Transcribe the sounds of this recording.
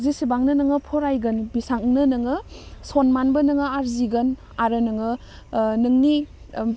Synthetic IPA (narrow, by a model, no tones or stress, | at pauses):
zisibaŋnɯnɯŋɯpʰɔɾajɡɯnbisaŋnɯnɯŋɯsonmanbɐnɯŋɯaɾziɡɐn | aɾɯnɯŋɯ | nɯŋni